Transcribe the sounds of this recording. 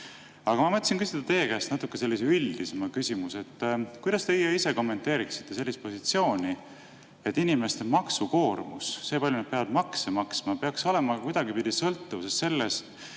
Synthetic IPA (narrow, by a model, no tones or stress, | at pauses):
ɑɡ̥ɑmɑmɤt̪ʲˑːsinkysid̪̥ɑt̪e̞ːkæːst̪nɑt̪ːˑukːˑe̞se̞lːiseylʲd̪̥isemɑkysʲimuse̞t̪ːkujd̪̥ɑst̪e̞ijeise̞ko̞mːe̞nt̪ːˑe̞ːɾiksi̥t̪ːe̞se̞lːist̪̚po̞sit̪sio̞ːnʲi | et̪ˑːinime̞st̪emɑksuko̞ːrmusːe̞ːpɑlʲjunɑd̪̥̚peɑvɑd̪mɑksemɑksmɑpeɑkso̞le̞mɑkujd̪̥ɑɡipid̪̥isɤlt̪ːuvsest̪se̞lːes